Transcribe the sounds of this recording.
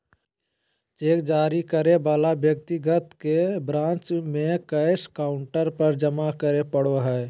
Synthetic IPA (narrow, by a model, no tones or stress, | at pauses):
t͡ʃeːkd͡ʒaːɾikəɾebaːlabjək̚t̪iɡət̪kebɾãːnt͡ʃmẽkəɪskaːʊɳʈəɾpəɾd͡ʒəmakəɾepəɽoɦɛː